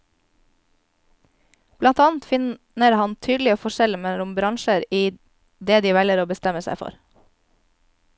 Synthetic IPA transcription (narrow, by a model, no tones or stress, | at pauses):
b̥lɑnt̪ɑːnt̪fɪn | əɾhɑnt̪ʰyːd̪l̩ɪoːfɔʃɛləmɛʊmbɾɑŋʃəɾiː | d̪eːd̪iːʋɛləɾoːbəst̪ɛməsæ̰ɪfɔ̰ɾ